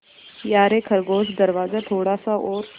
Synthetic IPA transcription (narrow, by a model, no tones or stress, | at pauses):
jaːɾekʰəɾɡoːzd̪əɾʋaːzat̪ʰoːɽaːsaʔoːɾ